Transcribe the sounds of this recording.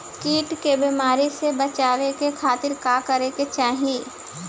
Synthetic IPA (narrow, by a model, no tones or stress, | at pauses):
kiːʈkebiːmaːɾisebət͡ʃaːʋekekʰaːt̪ɪɾkaːkɐɾeket͡ʃaːɦie